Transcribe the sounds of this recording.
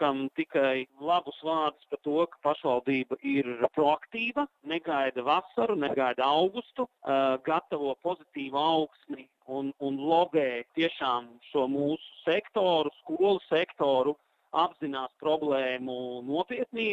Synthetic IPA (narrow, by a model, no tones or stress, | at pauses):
kamt̪ikajlˠabusʋaːɾd̪i̥spat̪uɔkḁpaʃʋalˠd̪iːbɐʔiɾpɾoakt̪iːʋɐnɛɡajd̪ɐʋasaɾunɛɡajd̪awɡust̪uɡat̪ːaʋuɔpozit̪iːʋuawksni | ununlˠɔbɛːt̪iɛʃaːmʃuɔmuːsu̥sɛkt̪oːɾuskuɔlˠusɛkt̪oːɾu | abzinaːspɾɔblˠɛːmunuɔpiɛt̪niː